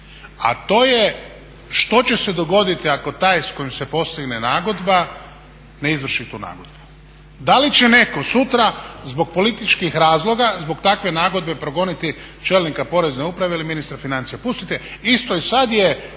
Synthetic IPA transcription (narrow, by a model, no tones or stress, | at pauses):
a̰t̪o̞ːje | ʃt̪o̞t͡ɕe̞sed̪o̞ɡo̞d̪it̪iako̞t̪aːjsko̞jimsepo̞st̪iɡnenaːɡo̞d̪ba | ne̞izʋr̩ʃit̪uːna̰ːɡod̪bu̥ | d̪alit͡ɕene̞ko̞sut̪ɾazbo̞ɡ̚po̞lit̪it͡ʃkixɾaːzlˠo̞ɡazbo̞ɡt̪akʋe̞naːɡo̞d̪bepɾo̞ɡo̞nit̪i | t͡ʃelnikapo̞ɾe̞zneupɾaʋe̞iliminist̪ɾafinant̪sijapust̪it̪eist̪oisad̪je